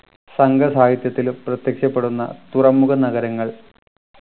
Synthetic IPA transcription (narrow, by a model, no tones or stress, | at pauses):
sɐŋɡɐsaːɦit̪jɐt̪ːilprɐt̪jɐkʂɐpːe̞ɽunːɐ̰t̪urɐmːuɣɐnɐɣɐɾɐŋːɐɭ